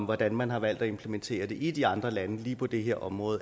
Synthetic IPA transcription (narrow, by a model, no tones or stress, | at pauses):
mʋɒd̥ænmænɦɑ̈ʋæl̰d̥æe̝mpʰlement͡sʰe̝̰ːɐd̥e̝ʔid̥iɑ̈nd̥ʁɐlænəliːpʰɒ̽d̥e̝ɦe̝ɐ̰ʔɒ̽mʁɔ̽ːð̩ˠ